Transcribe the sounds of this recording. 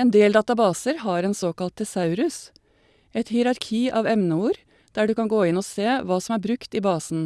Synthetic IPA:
eːnd̪eːld̪ɑːt̪ɑbɑːsəɾhɑːɾeːnsoːkɑlt̪̚d̪̥ɛsɑʉɾʉs | ɛt̪hɪːɾɑɾkʰiːʔɑːʋɛmnəuːɾ | d̪̥æːɖʉːkɑŋɡoːɪnoːseːʋɑːsɔmæːɾbɾʉkt̪iːbɑːsn̩

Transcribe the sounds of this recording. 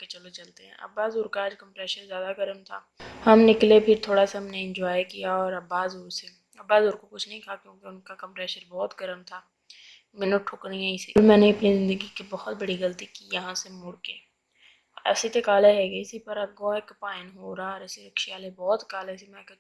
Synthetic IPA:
ket͡ʃɐlot͡ʃɐlt̪eɦɛ̰̃ʔɐ̰baːzuːɾkaːd͡ʒkɐ̃mpɾɛːʃəɾzjaːd̪aɡɐɾəmt̪ʰa̰ːhɐmnɪklepʰɪɾt̪ʰoːɽasaɦɐmneɪ̃nd͡ʒɔːjkijaɔːɾɐbaːzuːɾse | ɐbːaːzuːɾkokʊt͡ʃʰnɐɦĩk̪ʰakjõːkeʊnkakɐ̃mpɾɛːʃəɾbɔːt̪ɡɐɾəmt̪ʰaː | mɪnoʈʰʊknĩɦɛ̃ɪsiɾmɛ̃ːneɐpnizɪ̃nd̪əɡikibɔhɔt̪bɐɽiɣɐlt̪ikijɐɦãsemʊɽkeː | ɛ̰sit̪ekaːleɦɛːɡeɪsipɐɾɐɡɔːekpaːɪnɦoːɾaɔːɾɛseɾɐkʃijaːlebɔːt̪kaːleɪsimɛ̃ːk

